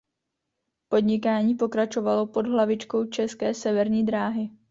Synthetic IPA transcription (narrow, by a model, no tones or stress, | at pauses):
po̞d̪ɲɪkaːɲiːpo̞kɾat͡ʃo̞valo̞po̞dɦlavɪt͡ʃko̞wt͡ʃɛskɛːsɛvɛɾɲiːd̪ɾaːɦɪ